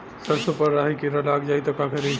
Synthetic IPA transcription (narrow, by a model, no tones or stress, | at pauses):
səɾsopəɾːaɦikeɾəlaɡd͡ʒait̪ɔkakʰeɾe